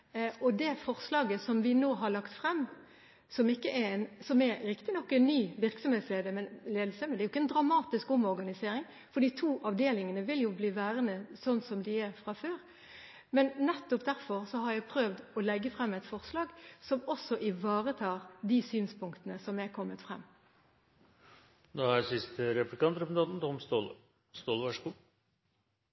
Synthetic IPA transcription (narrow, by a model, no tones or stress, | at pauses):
ɔd̪ɛfɔʁslɑːɡəsɔmʋɪnoːɦɑɭɑkt̪fɾɛmː | sɔmɪkːəʔæɛnsɔmɛɾɾɪkt̪ɪnɔkːɛnːyːʋɪɾksɔmheːt̪sleːd̪əɾmɛnleːd̪l̩sɛmnd̪ɛɾjʊɪkːəɛnd̪ɾɑmɑːt̪ɪskɔmɔɾɡɑnɪseːɾɪŋ | fɔd̪iːt̪ʰuːʔɑʋd̪eːlɪŋənəʋɪljʊbliːʋæːɾənəsɔnːsɔmd̪ɪæɾfʁɑføːɾ | mɛnnɛt̪ːʊpd̪æɾfɔʁsɔhɑɾjæpʰɾøːʋd̪ɔlɛɡːəfʁɛmːɛt̪fɔʁslɑːɡsɔmɔsɔʔɪʋɑːʁət̪ʰɑːʁd̪iːsyːnspʰʊŋk̚t̪ənəsɔmækʰɔmːət̪fʁɛ̰mː | d̪ɑːæɾsɪst̪əɾɛplɪkɑnt̪ɾɛpsn̩ʰɑnt̪n̩t̪ʰɔmst̪oːl | st̪oːlʋɑʂkuː